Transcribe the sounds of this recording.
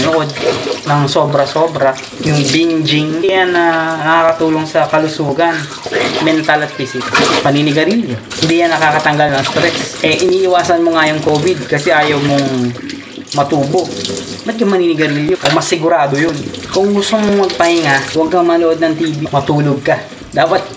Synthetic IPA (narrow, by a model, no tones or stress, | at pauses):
noʔo̞d̪̚nɐŋso̞ːbɾɐsoːbɾa | jʊŋbind͡ʒɪŋjanɐnɐkakɐt̪uːloŋsɐkɐlʊsuːɡɐn | mɛnt̪ɐlɐt̪̚fisɪkpɐniːnɪɡɐɾiljo | hɪnd̪ijanːɐkaːkɐt̪ɐŋɡalnɐŋst̪ɾɛsʔɛʔɪniːʔɪwaːsɐnmoŋɐjoŋkoːbɪd̪̚kɐsɛʔaːjɐwmoŋ | mɐt̪uːbo̞ʔ | bɐt̪̚kɐmɐniːnɪɡɐɾiljoʔomɐsɪɡʊɾaːd̪o̞jonkʊŋɡʊst̪oŋmomɐɡ̚pɐhɪŋaʔwɐɡ̚kɐŋmɐloʔo̞d̪nɐŋt̪iːbimɐt̪uːloɡ̚kɐ | d̪aːpɐt̪̚